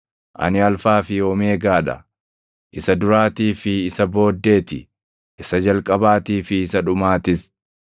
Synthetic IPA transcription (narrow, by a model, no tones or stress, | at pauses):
ʔɐ̰nɪɐlfaːfɪjoːme̞ːɡaːᶑɐ̰ | ʔɪsɐd̪ʊɾaːt̪iːfɪːsɐbo̞ːd̪ːe̞ːt̪ɪ | ʔɪsɐd͡ʒɐlkʼɐbaːt̪iːfɪːsɐᶑʊmaːt̪ɪs